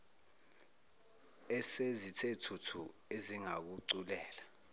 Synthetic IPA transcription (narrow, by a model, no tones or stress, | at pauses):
ɛsezitʰetʰutʰu | eziŋak̬uǀulɛːla